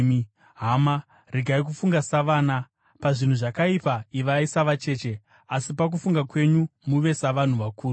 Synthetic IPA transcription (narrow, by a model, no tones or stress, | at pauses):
ɦama | riɡʱaik̬ufuŋɡasaʋaːna | paʐin̤uʐakaipaiʋaisaʋat͡ʃe̞t͡ʃe̞ | asipak̬ufuŋɡakwe̞ɲumuʋe̞saʋan̤uʋakuːru